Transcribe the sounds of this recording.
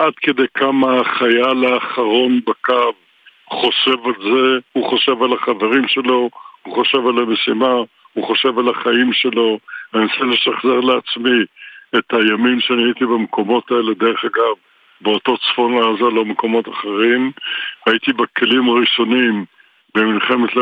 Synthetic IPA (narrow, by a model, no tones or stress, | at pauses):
ʔadked̪ejkʰamaːχajalaːχaʁo̞nbakav | χo̞ʃe̞valzehuχo̞ʃe̞valaχave̞ʁimʃe̞lo̞huχo̞ʃe̞valamesima | huχo̞ʃe̞valaχaimʃe̞lo̞anisele̞ʃaχze̞ʁleat͡smiethajamimʃeaniait̪ibamkʰo̞mo̞taele̞d̪e̞ʁeχaɡav | beoto̞t͡sfo̞nlaazalomeko̞mo̞taχe̞ʁimhait̪ibekelimaʁiʃo̞nim | bemilχe̞met̪l